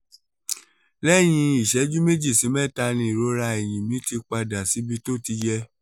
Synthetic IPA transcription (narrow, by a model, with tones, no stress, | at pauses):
lɛ˦˨j̃ĩ˧i˦˨ʃɛ˨˦d͡ʒu˦me˦d͡ʒi˦˨si˨˦mɛ̃˦˨ta˧nĩ˧i˨ɾo˦ɾa˧e˨j̃ĩ˨mĩ˨˦ti˧k͡pa˧da˨si˨˦bi˦to˦˨ti˧d͡ʒɛ˧